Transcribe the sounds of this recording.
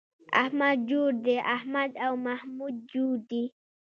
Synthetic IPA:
ʔa̰hmad̪̚d͡ʒud̪ɛʔahmad̪awmahmud̪̚d͡ʒuːd̪i

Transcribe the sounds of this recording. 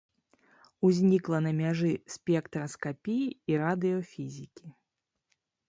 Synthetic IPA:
uzʲnʲiklˠɐnɐmʲaʐɨsʲpʲɛkt̪ɾɐskapʲijiːɾad̪ɨjɔfʲizʲikʲi

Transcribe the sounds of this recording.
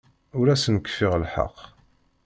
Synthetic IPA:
ʊɾæsənkːə̥fɪʁəlħɑ̰qː

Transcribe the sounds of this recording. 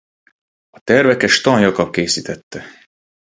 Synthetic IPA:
ɒt̪ɛrvɛkɛʃt̪ɒnjɒkɒkeːsit̪ɛt̪ːɛ

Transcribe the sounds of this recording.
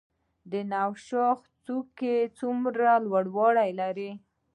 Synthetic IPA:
d̪ənawʃɑxt͡suket͡sumɾalwaɽwɑɽajlaɾi

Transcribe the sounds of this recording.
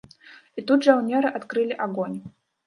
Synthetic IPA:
it̪ud̪ʐawnʲɛɾɨʔat̪kɾɨlʲiʔaɡɔnʲ

